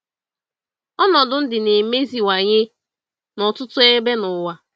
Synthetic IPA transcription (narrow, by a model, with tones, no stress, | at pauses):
ɔ˦nɔ˨dʊ˨n̩˦dɪ˨ne˨me˦zi˨wa˨ɲɪ˦ | nɔ˨tʊ˦tʊ˦e˦be˦nʊ˨wa˨